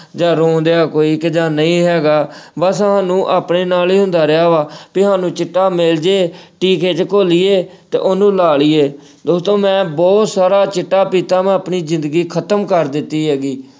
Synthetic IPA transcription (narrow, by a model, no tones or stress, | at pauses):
d͡ʒaːɾoːd̪ejaːkoːiːkd͡ʒaːnəĩːɦɛːɡaːbəsɦaːnũːʔaːpɳeːnaːliːɦʊ̃nd̪aːɾɪaːʋaːpiɦãːnũːt͡ʃɪʈːaːmɪld͡ʒeːʈiːkeːt͡ʃkoːliːeːt̪ḛːʔʊnũːlaːɭiːeː | d̪oːst̪õːmɛ̃ːbɔːt̪saːɾaːt͡ʃɪʈːaːpiːt̪aːmɛ̃ːəpɳiːzɪ̃nd̪əɡiːkʰət̪əmkəɾd̪ɪt̪ːiːɦɛːɡiː